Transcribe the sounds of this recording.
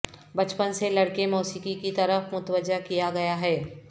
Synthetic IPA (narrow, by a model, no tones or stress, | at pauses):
bɐt͡ʃpənselɐɽkemɔːsiːkikit̪ɐɾəfmʊt̪wəd͡ʒːakijaɡɐjaɦɛː